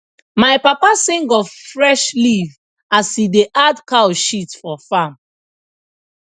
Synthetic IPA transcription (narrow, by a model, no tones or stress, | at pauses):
maɪpapasĩŋɡɔfɹɛʃliv | ashideʔadkawʃitfɔfãm